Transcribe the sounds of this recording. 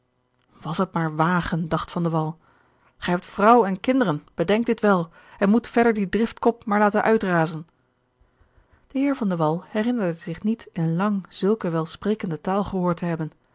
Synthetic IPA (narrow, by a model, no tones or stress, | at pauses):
ʋɑsət̚maːɹʋaːχəndɑχtfɑndəʋɑlˠ | χɛjɦɛp̚tfrʌwəɛnkɪndərənb̥ədɛŋɡ̚dɪtʋɛlˠ | ɛnmutfɛɹdəɹdidrɪftkɔp̚maːɹlaːtənʔœɥtraːzən | d̥əɦɪːɹvɑndəʋɑlˠhɛrɪnəɹdəzɪχnitɪnnlɑŋz̥ɵlˠkəʋɛlˠspreːkəndətaːlˠχəɦoːɹtəɦɛbən